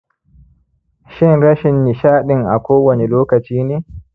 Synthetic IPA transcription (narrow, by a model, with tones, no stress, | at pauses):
ʃɪ˦ŋɾɐ˦ʃɪ˨nːi˨ʃaː˦ɗɪ˨ŋʔa̰˨kʷʰoː˦wɐ˨nɛ˨loː˦kɐ˨t͡ʃiː˦neː˦